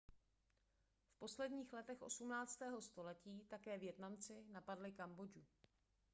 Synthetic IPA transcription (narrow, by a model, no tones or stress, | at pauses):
fpo̞slɛdɲiːxlɛt̪ɛxʔo̞̰sumnaːt͡st̪ɛːɦo̞st̪o̞lɛciːt̪akɛːvjɛt̪namt͡sɪnapadlɪkambo̞d͡ʒu